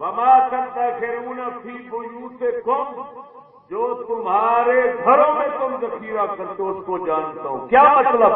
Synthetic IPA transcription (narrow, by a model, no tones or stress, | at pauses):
ʋɐmaːsɐnt̪ɐkeːɾuːnapʰiːbʊjũsekɐm | d͡ʒoːt̪ʊmɦaːɾeɡʱɐɾõmẽk̪ʊmzɐkʰiːɾakɐɾt̪oʊskod͡ʒaːnt̪aːɦṵ̃kjaːmɐt̪ləb